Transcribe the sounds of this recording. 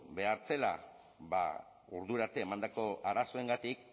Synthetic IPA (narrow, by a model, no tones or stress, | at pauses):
be̞aɾt͡se̞la̰ | βa̰ | uɾðuɾaɾt̪e̞ːmand̪ako̞aɾaso̞eŋɡat̪ik